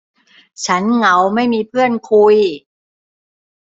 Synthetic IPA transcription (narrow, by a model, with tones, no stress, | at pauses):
t͡ɕʰa˦˥nŋa˩˦wma˥˩jmiː˧pʰɯ˥˩ənkʰu˧j